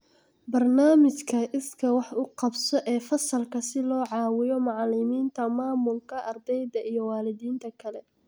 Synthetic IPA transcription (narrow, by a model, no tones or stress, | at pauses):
bɐrnaːmɪt͡ʃkʰɐʔɪskʰɐwɑħʊqɑbsɔʔɛːfɐsɐlkʰɐsɪlɔːʕɑːwɪjɔmɑʕlɪmiːnt̪ʰɐmaːmʊlkʰɐʔɐrd̪ɛjd̪ɐʔijɔwɑːlɪðiːnt̪ʰɐkʰɐlɛ